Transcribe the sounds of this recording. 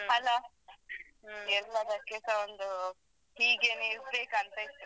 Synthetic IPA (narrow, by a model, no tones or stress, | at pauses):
ɐlaː | ɛlːɐd̪ɐkɛsɐond̪u | hiːɡeːnuisbeːkɐnt̪ɐit̪ː